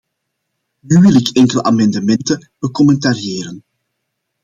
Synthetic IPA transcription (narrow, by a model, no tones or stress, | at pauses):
nywɪlɪkʰɛŋkəlʔa̰mɑndəmɛntəb̥əkɔmɛntaɾjeːɾən